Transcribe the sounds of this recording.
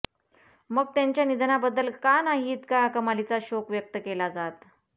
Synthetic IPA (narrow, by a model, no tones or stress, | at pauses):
məɡ̚t̪jaɲt͡ɕjanid̪ʱnabəd̪ːəlkanaɦiːt̪kakəmalit͡saɕokʋjək̚t̪əkelad͡zat̪